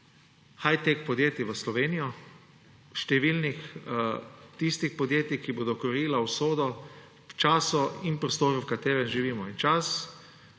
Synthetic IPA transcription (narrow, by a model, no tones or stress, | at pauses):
xajt̪ekpɔd̪jeːt̪iʋəslɔʋeːnijɔ | ʃt̪ɛʋiːlnix | t̪ist̪ixpɔd̪jeːt̪ikiboːd̪ɔkɔɾiːlawsoːd̪ɔ | wt͡ʃaːsɔinpɾɔst̪oːɾuwkat̪eːɾɛnʒiʋiːmɔint͡ʃas